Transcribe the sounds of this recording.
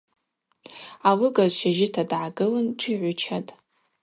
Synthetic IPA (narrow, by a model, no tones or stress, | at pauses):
alɨɡazʃaʒɪtʰadʕaɡɨlɨnʈ͡ʂʰʼiʕʷʊt͡ʃʰatʼ